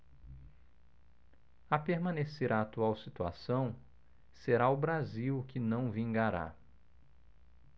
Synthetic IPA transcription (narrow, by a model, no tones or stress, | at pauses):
apeɾmɐ̃neseɾʔaːt̪uawsit̪ua̰sɐ̃w̃ | seɾaʊbɾaziwkɪnɐ̃w̃vĩŋɡaɾa̰